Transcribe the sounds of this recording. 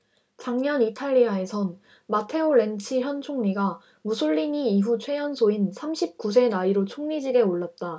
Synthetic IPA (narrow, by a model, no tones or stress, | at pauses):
t͡ɕaŋɲʌnitʰaʎːiae̞sʰʌn | matʰe̞oɭe̞nt͡ɕʰiçjʌnt͡ɕʰoŋɲiɡa | musʰuɭːiɲiːɸut͡ɕʰwe̞jʌnsʰoinsʰamɕʰip̚k͈us̬ʰe̞naiɾot͡ɕʰoŋɲid͡ʑiɡe̞oɭːat̚t͈a